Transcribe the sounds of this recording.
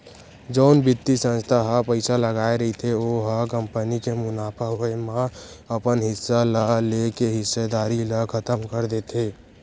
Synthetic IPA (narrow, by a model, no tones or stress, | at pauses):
d͡ʒəʊnbit̪ːisə̃nst̪ʰaɦapəɪsaləɡaeɾəɦit̪ʰeoɦakəmpənikemʊnaːpʰaɦoemãəpənɦɪsːalalekeɦɪsːed̪aːɾiləkʰət̪əmkəɾd̪et̪ʰe